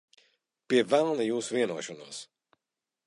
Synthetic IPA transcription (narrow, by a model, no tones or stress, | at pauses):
piɛvɛlˠnijuːsuviɛnuɔʃɔnṵɔs